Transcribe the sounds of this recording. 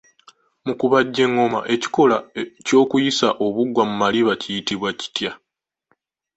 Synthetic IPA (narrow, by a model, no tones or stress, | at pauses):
mukuβaɟːe̞ŋːo̞ma̰ʔe̞ci̥ko̞laco̞ːkujisaʔo̞βuɡwamumaliβacijitiβwaci̥tja